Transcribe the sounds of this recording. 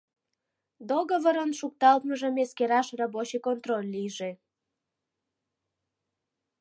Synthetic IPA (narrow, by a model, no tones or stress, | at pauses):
d̪oɣovəɾənʃuk̚t̪ɑlt̪məʒə̆meskeɾɑʃrɑbot͡ɕekont̪rolʲːijʒe